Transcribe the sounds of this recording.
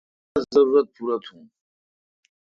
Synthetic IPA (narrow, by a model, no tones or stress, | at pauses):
zɐɾuɾɐt̪̚pʰuɾat̪ʰhũː